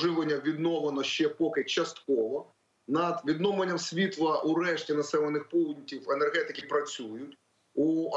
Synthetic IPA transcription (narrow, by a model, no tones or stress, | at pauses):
ʐɪʋenʲːɐʋʲid̪nɔʋenɔʃt͡ʃɛpɔkɪt͡ʃɐst̪kɔʋɔ | nɐd̪ʋʲid̪nɔmlˠenʲːɐmsʲʋʲit̪lˠɐʔuɾɛʃtʲinɐsɛlenːɪxpɔwdʲnʲitʲiwɛnɛrɦɛt̪ɪkʲɪpɾɐt͡sʲujʊtʲ | u